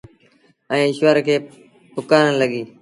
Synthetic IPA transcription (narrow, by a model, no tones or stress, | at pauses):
ə̃ːʃʋəɾkʰeː | pʊkaːnənləɠiː